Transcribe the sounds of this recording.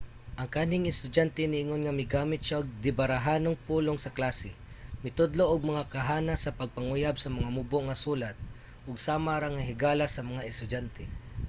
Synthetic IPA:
ʔɐŋkaːnɪŋɪst̪ʊdant̪ɛnɪʔɪŋonŋamɪɡaːmɪt̪̚ʃaʔʊɡ̚d̪ɪbaɾaɦaːnoŋpuːloŋsɐklasɪ | mɪt̪ʊd̪loʔʊɡ̚mɐŋakaɦaːnasɐpɐɡ̚paŋʊjabsɐmɐŋamuboʔŋasuːlat̪̚ | ʔʊɡsaːmaɾaŋaɦɪɡaːlasɐmɐŋaʔɪst̪ʊd͡ʒant̪ɛ

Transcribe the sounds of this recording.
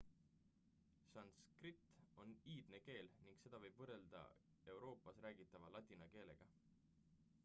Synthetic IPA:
sɑnskrit̪ːo̞niːd̪̥ne̞ke̞ːlniŋɡ̥se̞d̪̥ɑvɤjb̥vɤrːe̞ld̪̥ɑ̰ | e̞wɾo̞ːpːˑɑsræːɡ̥it̪ːˑɑvɑlɑt̪ʲːˑinɑke̞ːle̞̰ɡ̥ɑ

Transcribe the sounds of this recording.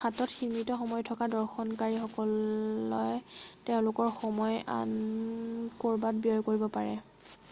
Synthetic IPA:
xatɔtximitɔxɔmɔjtʰɔkadɔɹxɔnkaɹixɔkɔlɔjteʊ̃lʊkɔɹxɔmɔja̰n | koɹbat̚bijɔjkoɹibɔpaɹɛ̰

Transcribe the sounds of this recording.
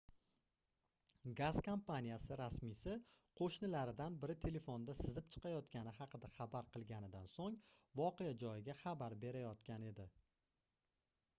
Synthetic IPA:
ɡaz̥kʰompanʲijasɪɾasmɪsɪqʰoʃnɪlaɾɪd̪anbɪɾɪt̪ʰe̞le̞fond̪asɪzɪp̚t͡ʃʰɨ̥qʰɑjɒt̪kʲanɪɦɑqʰɨd̪aχabaɾqʰɨlˠɡʲanɪd̪ansoŋvɒqejad͡ʒɒjɪɡʲaχabaɾbe̞ɾajɒt̪kʲane̞d̪ɪ

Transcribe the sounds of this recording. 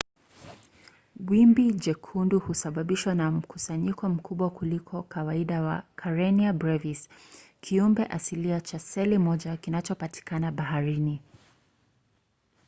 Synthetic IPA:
wwimbid͡ʒɛkʰunduhusaɓaɓiʃwanam̩kusaɲikɔm̩kʰuɓwakulikʰɔkawaiɗawa̰kʰaɹɛniabɾɛviskʰiumbɛʔasiliat͡ʃasɛlimɔʄakinat͡ʃɔpati̥kanaɓahaɾini

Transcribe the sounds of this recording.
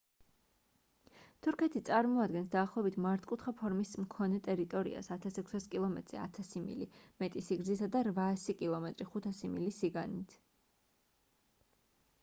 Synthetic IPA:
t̪ʰuɾkʰɛt̪ʰit̪sʼaɾmɔad̪̚ɡɛnsd̪aːχlˠɔɛbit̪ʰmaɾt̪ʰkʼut̪ʰχapʰɔɾmismkʰɔnɛt̪ʼɛɾit̪ʼɔɾḭa̰sat̪ʰasɛkʷʰsaskʼilˠɔmɛ̰t̪ʼɾḭa̰t̪ʰasimḭlḭmɛt̪ʼisiɡɾzisad̪aɾvaːsikʼilˠɔmɛt̪ʼɾiχut̪ʰasimḭlisiɡanit̪ʰ

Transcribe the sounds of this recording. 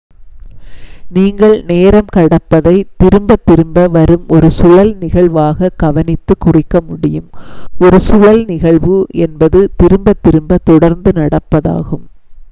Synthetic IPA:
niːŋɡɐɭneːɾɐmkɐɽɐpːɐðɐɪt̪ɪɾɯmbɐt̪ːɪɾɯmbɐʋɐɾɯmʔɔɾɯsʊɻɐlnɪɣɐɭʋaːɣɐɡ̥ɐʋɐnɪt̪ːɯkːʊrɪkːɐmʊɽɪjɯmɔɾɯsʊɻɐlnɪɣɐɭʋɯɛnbɐðɯt̪ɪɾɯmbɐt̪ːɪɾɯmbɐt̪ɔɽɐɾnd̪ɯnɐɽɐpːɐða̰ːɣɯm

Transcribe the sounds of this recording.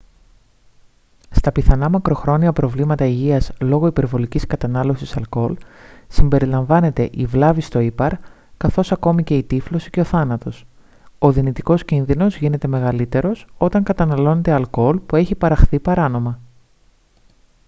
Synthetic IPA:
st̪ɐpiθɐnɐmɐkɾo̞xɾo̞niɐpɾo̞vlimɐt̪ɐiʝiɐslo̞ɣo̞ipe̞ɾvo̞liciskɐt̪ɐnɐlo̞sisɐlko̞lsimbe̞ɾilɐɱvɐne̞t̪e̞ʔivlɐvist̪o̞ipɐɾ | kɐθo̞sɐko̞mice̞it̪iflo̞si̥ceo̞θɐnɐt̪o̞s | o̞ðinit̪iko̞scinðino̞zʝine̞t̪e̞me̞ɣɐlit̪e̞ɾo̞so̞t̪ɐŋkɐt̪ɐnɐlo̞ne̞t̪eɐlko̞lpue̞çipɐɾɐxθipɐɾɐno̞mɐ

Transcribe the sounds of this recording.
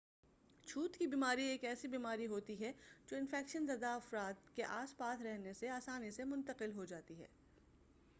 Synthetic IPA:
t͡ʃʰuːt̪kibiːmaːɾieːkɛːsibiːmaːɾiɦoːt̪iɦɛd͡ʒoːɪ̃nfɛːkʃənzɐd̪aɐfɾaːd̪keʔaːspaːt̪ʰɾɛɦneseaːsaːnisemʊ̃nt̪əqɪlɦod͡ʒaːt̪iɦɛ̰ː

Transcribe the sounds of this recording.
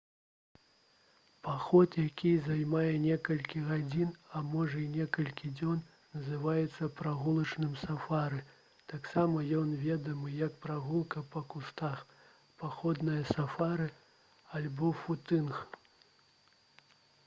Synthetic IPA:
paxɔt̪jakʲizajmajɛnʲɛkɐlʲkʲiɣad͡zʲinɐmɔʐɐinʲɛkɐlʲkʲid͡zʲɔn | nɐzɨvajɛt̪sːɐpɾaɣulˠɐt͡ʂnɨmsafaɾɨ | t̪aksamɐjɔnvʲɛd̪ɐmɨjɐkpɾaɣulˠkɐpɐkust̪ax | paxɔd̪nɐjɐsafaɾɨ | alʲbɔfut̪ɨnx

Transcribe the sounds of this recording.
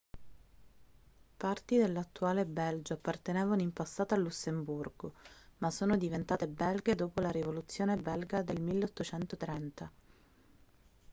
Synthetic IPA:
part̪id̪elːat̪ːuaːlebɛld͡ʒoapːart̪enɛːvanoimpasːaːt̪aːlːusːemburɡomasːoːnod̪ivent̪aːt̪ebɛlɡed̪oːpolaɾivolut̪sːjoːnebɛlɡad̪elmilːeot̪ːot͡ʃɛnt̪ot̪ɾɛnt̪a

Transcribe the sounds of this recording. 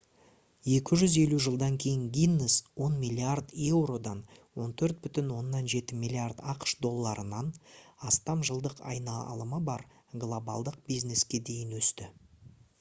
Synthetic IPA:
je̞kʲɪʒʏze̞luʒəlˠd̪ɑŋkʲʰe̞jɪŋɡʲijnːəswo̞nmilʲːiard̪e̞wɾo̞d̪ɑnwo̞nt̪ʰɵɾt̪̚bʏt̪ɪnwo̞nːɑnʒe̞t̪ɪmijlʲiard̪ɑqʃd̪o̞lˠːɑɾənɑnɑst̪ɑmʒəlˠd̪əqʰɑ̰jnɑlˠəməbɑɾ | ɡlˠo̞bɑ̰lˠd̪əq̚bijzne̞skʲe̞d̪e̞jɪnwɵst̪ɪ

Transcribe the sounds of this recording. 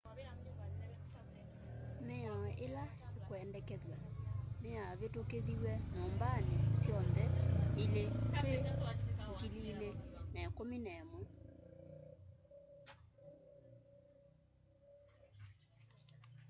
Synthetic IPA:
mɛaʔela | ekoɛndɛkɛðwanejaβetokeðiwɛɲombanesjɔnðɛileteukililenɛkominɛmu

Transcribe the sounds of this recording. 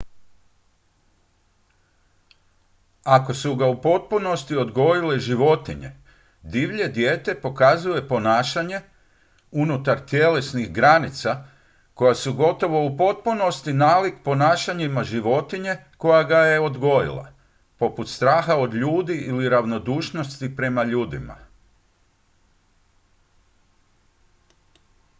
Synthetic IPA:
ako̞suɡaupo̞t̪̚puno̞st̪io̞d̪ɡojileʒiʋo̞t̪iɲe̞̰ | d̪iʋʎe̞d̪je̞ːt̪e̞po̞kazuje̞po̞naːʃaɲe̞ | unut̪aɾt̪je̞le̞snixɡɾanit̪sa | ko̞jasuɡo̞t̪o̞ʋo̞upo̞t̪̚puno̞st̪inaːlikpo̞naːʃaɲimaʒiʋo̞t̪iɲe̞ko̞jaɡaje̞o̞d̪ɡo̞jḭlˠa̰ | po̞put̪st̪ɾaːxao̞d̪ʎuːd̪iʔiliɾaʋno̞d̪uːʃno̞st̪ipɾe̞maʎuːd̪ḭma̰

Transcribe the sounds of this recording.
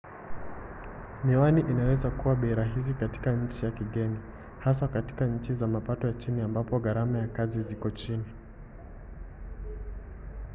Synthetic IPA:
niwaniʔinawɛzakuwaɓɛɾaɦizikati̥kaɲ̩t͡ʃijakiɠɛni | has̬akati̥kaɲ̩t͡ʃizamapatɔjat͡ʃiniambapɔɠaɾamajakazizikɔt͡ʃini

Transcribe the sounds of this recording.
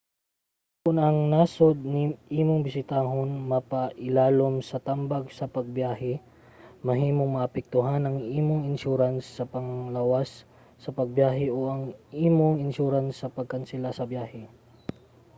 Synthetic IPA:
kʊnɐŋnasod̪̚nɪʔiːmoŋbɪsɪt̪aːɦonmɐpɐʔɪlaːlomsɐt̪ambɐɡsɐpɐɡ̚bjaːhɛ | mɐɦiːmoŋmɐʔɐpɛk̚t̪ʊɦanɐŋʔiːmoŋɪnʃuɾansːɐpɐŋlawasː | ɐpɐɡ̚bjaːɦɛʔoʔɐŋʔiːmoŋɪnʃuɾansːɐpɐɡ̚kɐnsɪlasɐbjaːhɛ

